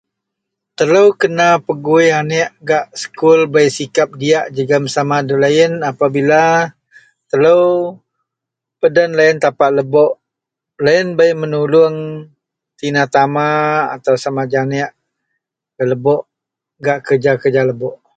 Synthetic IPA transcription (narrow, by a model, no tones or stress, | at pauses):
t̪ələwkənapəɡuianɛʔɡaʔsə̥kulbəjsikap̚diaʔd͡ʒəɡaməsamadəlaɪnapabila | t̪ələw | pədənlaɪnt̪apaʔləbɔʔ | laɪnbajmənulʊŋ | t̪inat̪amaa̰t̪awsamad͡ʒanɛʔ | kələbɔʔ | ɡaʔkərd͡ʒakərd͡ʒaləbɔʔ